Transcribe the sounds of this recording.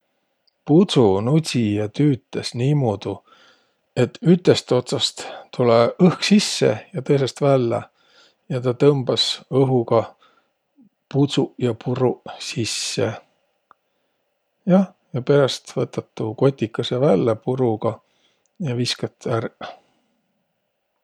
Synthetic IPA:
pusunutʲijɑt̪yːt̪ːˑesniːmuːd̪̥u | e̞t̪ːyt̪ːˑe̞st̪o̞t̪sɑst̪t̪uleɤhksisːe̞̰jɑt̪ɤjs̬e̞st̪vælːɑ̰ | jɑt̪ɑt̪ɤmb̥ɑsɤɦuɡ̥ɑ | put̪sujɑpʰuɾusisːe | jɑ | jɑpe̞ɾɑst̪vɤt̪ːˑɑt̪ːˑuko̞t̪ʲːikːˑɑsevælːepuɾuɡɑ | jɑviskɑt̪ːær

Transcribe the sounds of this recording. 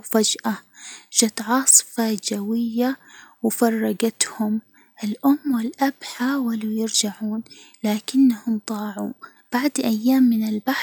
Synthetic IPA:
fad͡ʒʔaʒat̪ʕɑːsˤfad͡ʒawɪjːawɪfɑrˤːɑɡat̪hʊm | ʔɪlʔʊmːwɪlʔabħaːwalujɪɾd͡ʒaʕuːnlaːkɪnːahʊmt̪ˤɑːʕu | b̥aʕd̪ʔajːaːmːɪnɪlbaħ

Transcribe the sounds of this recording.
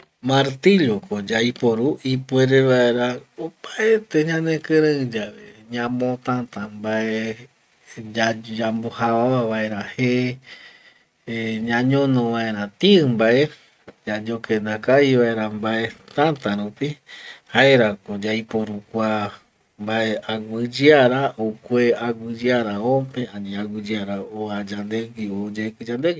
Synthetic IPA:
maɾt̪iʎokod͡ʒajpoɾuipweɾeʋae̞ɾaopaet̪eɲãnẽkɨɾẽɨd͡ʒaʋeɲãmõt̪ãt̪ambae | d͡ʒad͡ʒambohaaaʋaeɾãhe | ɲãɲõnõʋae̞ɾ̃ãt̪iɨmbaʔe̞ | d͡ʒad͡ʒokẽnd̪akaiʋaeɾambae̞t̪ãnt̪aɾupihaeɾakod͡ʒajpoɾukʷa | mbaeʔaɡʷɨd͡ʒɨaɾaʔokʷeaɡʷɨd͡ʒɨaɾaopẽãnĩaɡɨd͡ʒɨaɾaoad͡ʒand̪eɡiod͡ʒekɨd͡ʒand̪eɡi

